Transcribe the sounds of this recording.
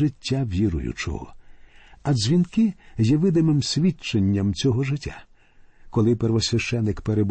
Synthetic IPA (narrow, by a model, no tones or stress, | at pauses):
ɪtʲːaʋʲiɾʊ̰jʊ̰t͡ʃɔ̰ɦɔ̰ | ɐzʲʋʲinkɪjɛʋɪd̪ɪmɪmsʲʋʲit͡ʃːenʲːɐmt͡sʲɔɦɔʒɪtʲːa̰ | kɔlˠɪperʋɔsʲʋʲɐʃt͡ʃɛnːɪkpeɾeb